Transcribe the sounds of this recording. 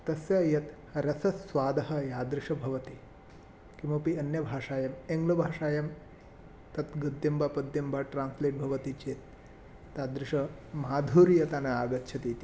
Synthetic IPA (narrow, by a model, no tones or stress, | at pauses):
t̪ɐsjɐjɐt̪ | ɾɐsɐsʋaːd̪ɐɦɐ̆jaːd̪ɾɪʂɐbʱɐʋɐt̪i | kimɐpiɐnjɐbʱaːʂaːjɐmeŋɡlɐbʱaːʂaːjɐm | t̪ɐt̪ɡɐd̪ːɐmbʱapɐd̪jɐmbʱaʈɾaːnsleːʈ̚bʱɐʋɐt̪it͡ʃeːt̪ː | aːd̪ɾɪʂɐmaːd̪ʱuːɾijɐt̪aːnɐaːɡɐt̪ːʃʰɐt̪iːt̪i